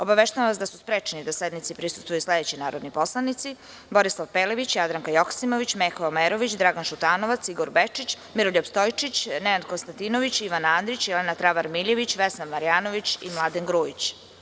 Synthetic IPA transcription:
o̞baʋeʃt̪ajamʋasd̪asuspɾet͡ʂnid̪ased̪nit̪sipɾisu̥st̪vujusled̪et͡ɕinaːɾo̞d̪nipo̞slˠanit̪si | boɾislˠaʋpeleʋit͡ɕjad̪ɾaŋkajoksimoʋit͡ɕmexoomeɾo̞ʋit͡ɕd̪ɾaɡanʃut̪aːno̞ʋat̪siɡoɾbet͡ʂit͡ɕ | miɾoʎopst̪ojt͡ʃit͡ɕneand̪konst̪ant̪inoʋit͡ɕiʋanand̪ɾit͡ɕjɛlenat̪ɾaʋaɾmiʎeʋit͡ɕʋesnammaɾijaːnoʋit͡ɕimlˠad̪enɡɾuːit͡ɕ

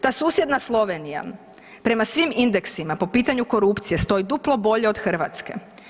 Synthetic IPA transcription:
t̪aːsuːsje̞d̪naslˠo̞ʋenija̰m | pɾe̞masʋimind̪e̞ksimapo̞piːt̪aɲuko̞ɾupt̪sije̞st̪o̞id̪uplˠo̞bo̞ʎe̞od̪xr̩ʋat̪ske̞̰

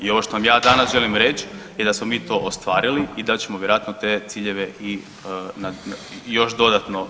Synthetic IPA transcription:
io̞ʋoʃt̪o̞namjaːd̪anasʒe̞limɾet͡ʃjed̪asmomiːt̪o̞ːʔost̪ʋaːɾiliid̪at͡ɕemoʋjeɾoat̪not̪eːt̪siːʎeʋeʔi | najo̞ʃd̪o̞d̪at̪no̞

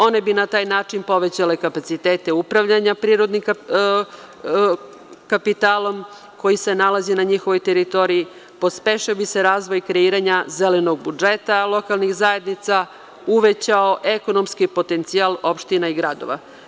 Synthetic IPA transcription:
o̞ne̞binat̪aːjnaːt͡ʂinpo̞ʋe̞t͡ɕale̞kapat̪sit̪eːt̪e̞upɾaʋʎaɲapɾiːɾo̞d̪nim | kapit̪aːlˠo̞m | ko̞jise̞nalazinaɲixoʋojt̪eɾit̪o̞ɾii | po̞speʃɛobise̞ɾaːzʋo̞jkɾeiːɾaɲazelenoɡ̚bud͡ʒet̪alˠo̞kalˠnixzaje̞d̪nit̪sa | uʋet͡ɕao̞ʔe̞ko̞no̞mskipo̞t̪e̞nt̪sialˠo̞pʃt̪inaiɡɾad̪o̰ʋa̰

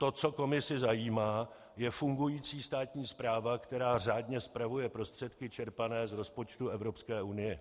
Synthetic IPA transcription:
t̪ot͡so̞ko̞mɪsɪzajiːmaː | jɛfuŋɡujiːt͡siːst̪aːt̪ɲiːspɾaːvakt̪ɛɾaːr̝aːdɲɛspɾavujɛpɾo̞st̪r̝̥ɛt̪kɪt͡ʃɛɾpanɛːzɾo̞spo̞t͡ʃt̪uɛvɾo̞pskɛːʔunɪjɛ

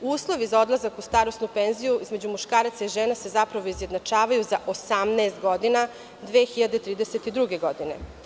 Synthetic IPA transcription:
uːslˠo̞ʋizao̞d̪lˠazakust̪aːɾo̞st̪nupeːnzijuʔizmed͡ʑumuʃkaːɾat̪saiʒeːnase̞zapɾaʋo̞izjed̪nat͡ʂaːʋajuzaʔosamnɛːst̪ɡo̞d̪ina | d̪ʋeːxiʎad̪e̞t̪ɾiːd̪eset̪id̪ɾuɡe̞ɡo̞d̪ine̞̰

